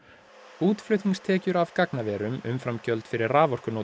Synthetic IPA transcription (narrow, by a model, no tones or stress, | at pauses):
uːt̪flœɥt̪iŋst̪ʰɛːcʏɾavkaknavɛːɾʏmʏ̰mfɾamcœlt̪fɪɾɪɾraːvɔr̥kʏnoː